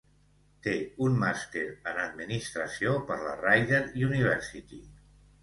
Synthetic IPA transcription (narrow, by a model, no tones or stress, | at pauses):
t̪eummast̪eɾənəd̪minist̪ɾəsiopəɾlə̰rajðeɾjuniβ̞ɛɾsit̪i